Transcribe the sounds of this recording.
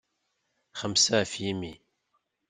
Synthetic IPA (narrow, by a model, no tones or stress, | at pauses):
χəmsæfjimi